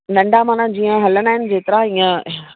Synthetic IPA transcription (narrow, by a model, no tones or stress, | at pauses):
nɐ̃ɳɖamãːnãd͡ʑiːə̃ɦɐlənaːɦɪnɪ̆d͡ʑeːt̪ɪɾãiːə̃